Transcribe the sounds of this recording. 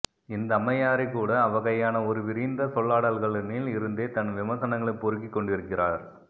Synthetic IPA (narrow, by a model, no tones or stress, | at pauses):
ɪnd̪ɐːmɐjaːɾɐɪkːuːɽɐːʋɐɣɐjaːnɐɔɾɯʋɪɾiːnd̪ɐsɔɭːaːɽalɣɐɭɯniːlɪɾɯnd̪eːt̪ɐnʋɪmɐsɐnɐŋɡɐɭɐpɔɾɯkːikːɔɳɖɪɾɯkːɪraːɾ